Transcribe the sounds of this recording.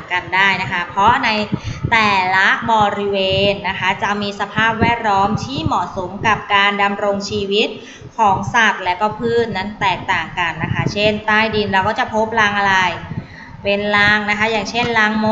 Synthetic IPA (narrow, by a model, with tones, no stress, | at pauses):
ka˧ndaː˥˩jna˦˥kʰa˦˥pʰɾɔ˦˥na˧jt̪ɛː˨˩la˦˥ʔbɔː˧ɾi˦˥weː˧nːa˦˥kʰa˦˥t͡ɕa˨˩miː˧sa˧pʰaː˥˩p̚wɛː˥˩t̪̚lɔː˦˥mt̪ʰiː˥˩mɔ˨˩ʔso˩˦mka˨˩p̚kaː˧nda˧mɾo˧ŋt͡ɕʰiː˧wi˦˥t̪̚ | kʰɔː˩˦ŋsa˨˩t̪̚lɛː˦˥wkɔː˥˩pʰɯː˥˩t̪̚na˦˥˩nt̪ɛː˨˩k̚t̪aː˨˩ŋka˧nːa˦˥kʰa˦˥t͡ɕʰe˥˩nt̪aː˥˩jdi˧nɾa˧˩wkɔː˥˩t͡ɕa˨˩pʰo˦˥p̚laː˧ŋʔa˧ɾa˧j | pe˧nlaː˧˥ŋna˦˥kʰa˦˥jaː˨˩ŋt͡ɕʰe˥˩nlaː˧˥ŋmo˦˥